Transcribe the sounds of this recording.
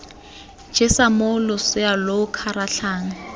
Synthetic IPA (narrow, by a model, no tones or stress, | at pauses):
d͡ʒ̥ɪsamʊlʊsɪalokʰaɾaɬʰaːŋ̩